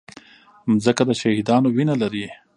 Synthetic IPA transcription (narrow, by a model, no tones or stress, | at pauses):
zəkad̪əʃahid̪ɑnowinalaɾi